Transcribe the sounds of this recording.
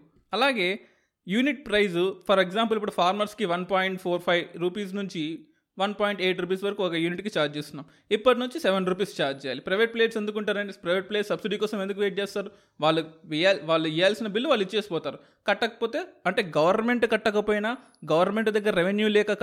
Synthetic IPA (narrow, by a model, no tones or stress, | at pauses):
ɐlaːɡe̞ː | juːniʈ̚pɾɐjzupʰɐɾeɡzaːmp̬ɐlipːuɽupʰaːɾmɐɾskiʋɐnpaːjiɳʈpʰoːɾpʰɐjʋɾupiːs̬nuɲt͡ʃi | ʋɐnpaːjiɳʈeːʈɾuːp̬iːsʋɐɾɐkuɔkɐjuːniʈkit͡ʃaːɾd͡ʒt͡ʃeːst̪unːaːm | ipːɐʈ̬inuɲt͡ʃisɛʋenɾuːp̬iːst͡ʃaːɾd͡ʒt͡ʃɛːjaːlipɾɐjʋeʈ̚pleːʈsend̪ukuɳʈaːɾɐɳʈespɾɐjʋeʈ̚pleːssɐbsiɖiːkɔːsɐme̞nd̪ukuʋeːʈ̚d͡ʒeːst̪aːɾu | ʋaːɭːuʋiaːʋaːɭːuijaːlsinɐbilːuʋaːlːuit͡ʃːt͡ʃe̞ːsi̥pɔːt̪aːɾu | kɐʈːɐkɐpoːt̪eːɐɳʈe̞ːɡɐʋɐɾnme̞ɳʈkɐʈːɐkɐpoːjinɐ | ɡɐʋɐɾnme̞ɳʈd̪ɐɡːɐɾɐɾeʋenjuːlɛːkɐ